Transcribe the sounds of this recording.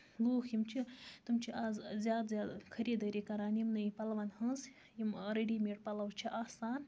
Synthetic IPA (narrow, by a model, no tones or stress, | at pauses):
luːxjimt͡ʃʰit̪umt͡ʃʰiʔazzʲjaːd̪zʲjaːd̪kʰɐɾiːd̪əɾikɐɾaːnjimnɐjipɐlʋanhɐz | jimɾeɖimeʈ̚pɐlɐwt͡ʃʰiʔaːsaːn